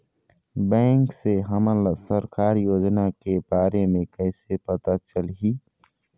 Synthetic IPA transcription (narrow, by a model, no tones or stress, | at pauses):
bɛ̃ːŋkseɦəməlsəɾkaːɾjoːd͡ʒnakebaːɾemẽkɛːsepɐt̪at͡ʃəlɦiː